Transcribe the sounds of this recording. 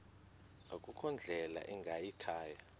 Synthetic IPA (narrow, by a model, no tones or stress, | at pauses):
okʼukʰɔnd͡ɮʱɛla̰ʔɛŋɡʱajikʰaːja